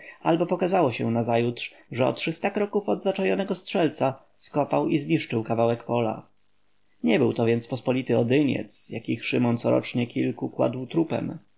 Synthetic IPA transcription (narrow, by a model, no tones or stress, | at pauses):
albɔpɔkazawɔɕɛnazajutʂ | ʐɛɔ̰t̪ʂɘst̪akɾɔkufɔd̪zat͡ʂajɔnɛɡɔstʂɛlt̪saskɔpawizɲiʂt͡ʂɘwkavawɛkpɔla̰ | ɲɛbɘwt̪ɔvʲjɛnt̪spɔspɔlʲit̪ɘɔd̪ɘɲɛ̰t̪sjakʲixʂɘmɔnt̪sɔɾɔ̰t͡ʂɲɛkʲilkukwa̰d̪wt̪ɾupɛ̰m